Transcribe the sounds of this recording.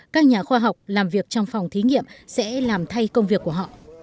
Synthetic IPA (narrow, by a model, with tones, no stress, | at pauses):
kaː˦˥k̚ɲaː˨˩xwaː˧ɦa˨˩wk͡p̚laː˨˩mvi˨˩ək̚t͡ɕɔ˧wŋ͡mfa˨˩wŋ͡mt̪ʰi˨˦ŋḭ˧˨əmsɛ̰˧˥laː˨˩mt̪ʰa˧jkə˧wŋ͡mvi˨˩əkːu˧˩əɦɔ̰˧˨